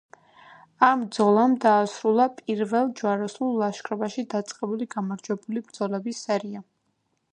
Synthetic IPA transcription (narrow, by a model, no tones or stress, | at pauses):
amd̪zɔlˠamd̪aːsɾulˠapʼiɾvɛlˠd͡ʒwaɾɛsulˠːaʃkʰɾɔbaʃid̪at̪sʼqʼɛbuliɡamaɾd͡ʒwɛbulibɾd̪zɔlɛbisɛɾia